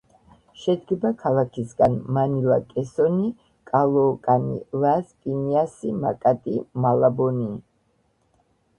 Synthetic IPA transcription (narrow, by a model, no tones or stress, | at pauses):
ʃɛd̪ɡɛbakʰalˠakʰisɡanmanilakʼɛsɔni | kʼalˠɔːkʼanḭlaskʼiniasimakʼat̪ʼimalabɔni